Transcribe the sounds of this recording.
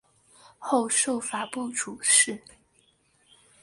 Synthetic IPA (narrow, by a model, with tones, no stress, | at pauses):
xo˥˧ʊʂo˥˩ʊfa˨˩pu˥˩ʈ͡ʂu˨˩ʂɻ̩˥˩˨